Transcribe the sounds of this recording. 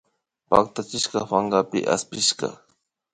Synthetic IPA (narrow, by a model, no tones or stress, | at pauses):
pak̚t̪at͡ʃɪʃkɑfaŋɢapɪ̰ʔa̰spɪʃɢɑ̰